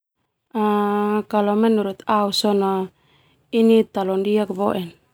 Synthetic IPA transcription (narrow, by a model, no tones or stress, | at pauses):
akalɔmɛnuɾut̪ausɔna | init̪alɔndiak̚bɔʔɛn